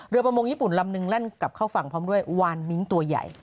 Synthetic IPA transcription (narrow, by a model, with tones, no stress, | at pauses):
ɾɯ˧pɾa˧moː˧ŋjiː˥˩pu˨˩nla˧mnɯ˧ŋle˥˩nka˨˩p̚kʰaː˥˩wfa˧˩ŋpʰɔː˦˥mdu˥˩əjwaː˧nmi˦˥nt̪u˧ɐja̰˨˩j